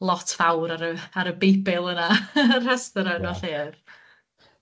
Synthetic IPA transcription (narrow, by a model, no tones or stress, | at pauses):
lˠɔtʰfawɾaɾəaɾəbejbɪlˠənarɛstɔɾanɔθeːð̥